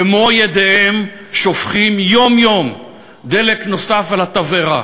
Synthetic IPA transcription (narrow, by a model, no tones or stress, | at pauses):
emojed̪eem | ʃo̞fχimjo̞mjo̞m | d̪elekno̞safalat̪aveʁa